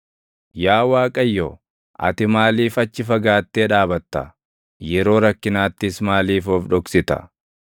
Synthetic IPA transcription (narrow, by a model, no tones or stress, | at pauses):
jaːwaːkʼɐjːo | ʔɐ̰t̪ɪmaːliːfɐt͡ʃːɪfɐɡaːt̪ːeːᶑaːbɐt̪ːɐ̰ | jɛɾo̞ːɾɐkːɪnaːt̪ːɪsmaːliːfɔfᶑɔksɪt̪ɐ̰